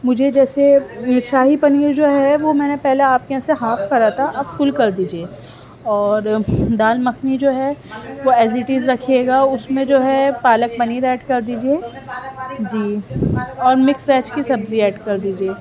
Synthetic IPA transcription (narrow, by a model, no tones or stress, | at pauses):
mʊd͡ʒʱed͡ʒɛːseɪʃaːɦipɐniːɾd͡ʒoːɦɛʋomɛ̃ːnepɛɦleaːp̚keɐ̃seɦaːfʰkɐɾat̪ʰaʔɐbfʊlkɐɾd̪iːd͡ʒieː | ɔːɾd̪aːlmɐkʰnid͡ʒoːɦɛʋoɛːzɪʈiːzɾɐkʰeːɡaʊsmẽd͡ʒoːɦɛpaːlək̚pɐniːɾɛːɖkɐɾd̪iːd͡ʒieː | d͡ʒiː | ɔːɾmɪksɾɛːt͡ʃkisɐbziɛːɖkɐɾd̪iːd͡ʒieː